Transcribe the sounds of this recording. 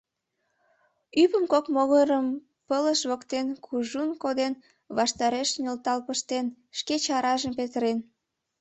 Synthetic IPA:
yβəmkokmoɣəɾəm | pələʃβokt̪enkʰuʒunkod̪en | βɑʃt̪ɑɾeʃnʲəlt̪ɑlpəʃt̪en | ʃket͡ɕɑɾɑʒəmpet̪əɾen

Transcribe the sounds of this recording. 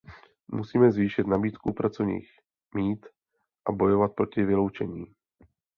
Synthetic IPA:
musiːmɛzviːʃɪt̪nabiːt̪kupɾat͡sovɲḭːx | miːt̪ | ʔabo̞jo̞vat̪̚pɾo̞cɪvɪlo̞wt͡ʃɛɲiː

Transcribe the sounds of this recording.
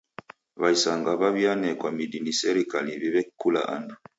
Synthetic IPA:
βaisaŋɡaβaβjanɛkwamidinisɛɾikaliβiβɛkula̰ʔa̰ndu

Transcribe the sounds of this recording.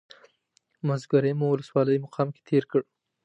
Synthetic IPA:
mazɡaɾemuwʊləswɑləjmaqʰɑmke̥t̪ʰeɾkəɽ

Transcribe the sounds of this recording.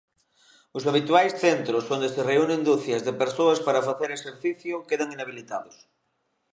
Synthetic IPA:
ʊsaβ̞it̪wajsθent̪ɾʊsond̪esereunẽŋd̪uθjazðepeɾsoaspaɾafaθeɾeseɾθiθjʊkeðaŋinaβ̞ilit̪aðʊs

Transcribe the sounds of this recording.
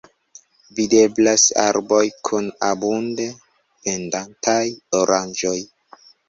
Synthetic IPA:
vide̞blasa̰ɾbo̞jkʰunabunde | pe̞ndantʰajoɾʔand͡ʒo̞j

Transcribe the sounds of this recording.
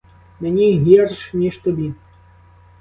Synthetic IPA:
mɛnʲiɣʲɛrʂnʲiʂt̪ɔbʲi

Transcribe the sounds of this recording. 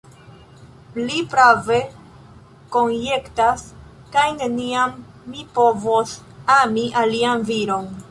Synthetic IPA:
lipɾave̞ | ko̞nje̞ktas | kajne̞niamː | ipo̞vos | amiʔalianviɾo̞n

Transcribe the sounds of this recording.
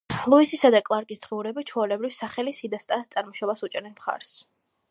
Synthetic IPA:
lˠuisisad̪akʼlˠaɾkʼisd̪̥ʁiuɾɛbit͡ʃʰɔlɛbɾivsaχɛlisid̪ast̪ʼat̪sʼaɾmɔʃɔbasut͡ʃʼɛɾɛnmχa̰ɾs

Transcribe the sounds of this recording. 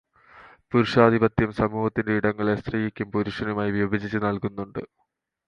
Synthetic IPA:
puɾuʂaːd̪ʱibɐt̪jɐmsɐmuːhɐt̪ːindeiɽɐŋːɐɭe̞st̪riːjikʲːumpuɾuʂɐnumaːjiʋjɐbʱid͡ʑit͡ɕːɨnɐɭkunːuɳɖɨ

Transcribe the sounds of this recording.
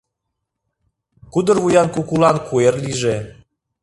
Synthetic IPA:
kud̪ə̆rvujankukulɑnkuerlʲiʒe

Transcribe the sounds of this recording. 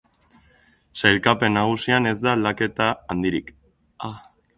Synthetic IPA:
sajlkape̞nːaɣ̞usiane̞zd̪alake̞t̪aːnd̪iɾik | a

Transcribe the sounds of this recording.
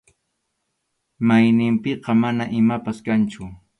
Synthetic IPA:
majnɪmpɪqɑmanaʔɪmapaskant͡ʃʊ

